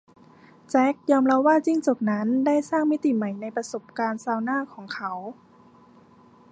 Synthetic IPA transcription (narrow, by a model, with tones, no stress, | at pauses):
t͡ɕɛ˦˥k̚jɔː˧mɾa˧˥waː˥˩t͡ɕi˥˩ŋt͡ɕo˨˩k̚na˦˥nda˥˩jsaː˥˩ŋmi˦˥t̪i˨˩ma˨˩jna˧jpɾa˧so˨˩p̚kaː˧nsaː˧wnaː˥˩kʰɔː˩˦ŋkʰa˦˥w